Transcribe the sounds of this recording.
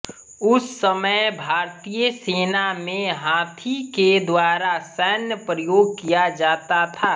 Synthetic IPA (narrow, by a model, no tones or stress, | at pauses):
ʊsːəməjbʱaːɾt̪ijəseːnamẽɦãːt̪ʰiked̪waːɾasɛːnjəpɾəjoːɡ̚kijad͡ʒaːt̪at̪ʰaː